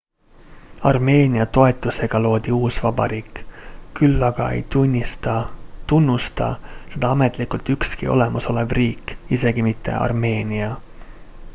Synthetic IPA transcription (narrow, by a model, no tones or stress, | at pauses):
ɑrme̞ːnʲiɑt̪o̞et̪ːˑuse̞ɡ̥ɑlo̞ːd̪̥iuːsvɑbɑ̰ɾiːkkylːɑɡ̥ɑe̞̰jt̪unʲːist̪ɑt̪unːust̪ɑ̰se̞d̪̥ɑɑmet̪ˑlikˑult̪ykskio̞̰le̞mɑso̞le̞vriːkise̞ɡ̥imit̪ʰːe̞̰ʔɑ̰rme̞ːnʲiɑ